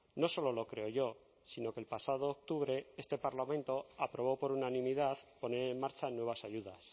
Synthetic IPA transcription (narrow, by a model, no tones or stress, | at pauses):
no̞so̞lo̞lo̞kɾe̞oʝo̞ | sino̞kelpasað̞o̞ːk̚t̪uβɾe̞est̪e̞paɾlamẽ̞nt̪o̞apɾoβ̞o̞po̞ɾunanĩmiðaðpo̞ne̞ɾenmaɾt͡ʃanwe̞β̞asaʝuð̞as